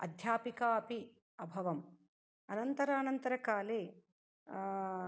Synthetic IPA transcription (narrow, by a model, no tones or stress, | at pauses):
ɐ̰d̪ʱjaːpikaːɐpi | ɐbʱɐʋɐm | ɐnɐnt̪ɐɾaːnɐnt̪ɐɾɐkaːle